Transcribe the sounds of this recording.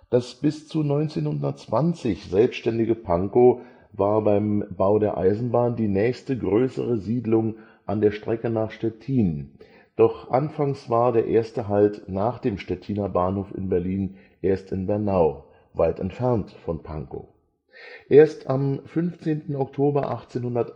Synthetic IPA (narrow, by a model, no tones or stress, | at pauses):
d̥asb̥ɪst͡sunɔʏnt͡seːnhʊndɐtt͡sv̥ant͡sɪçz̥ɛlpstʃtɛndɪɡəpʰaŋko | vaːɐbaɪmbaʊdeːɐʔa̰ɪzn̩baːndiːnɛːçstəɡʁøːsə̰ʁəziːdlʊŋ | ʔandeːɐʃtʁ̥ɛkənaːχʃtɛtʰiːn | d̥ɔχʔanfaŋsv̥aːɐdeːɐʔeːɐstəɦaltnaːχd̥eːmʃtɛtʰiːnɐbaːnhoːfɪ̰nbɛɐliːn | ʔeːɐstɪnbɛɐnaʊ | vaɪtɛ̰ntfɛɐntfɔnpʰa̰ŋko̰ | ʔeːɐstamfʏnft͡seːntn̩ɔktʰoːbɐʔaχt͡seːnhʊndɐt